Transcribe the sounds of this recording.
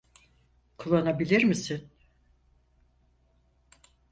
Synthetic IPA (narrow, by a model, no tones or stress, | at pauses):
kʰulˠːanabilʲiɾmisin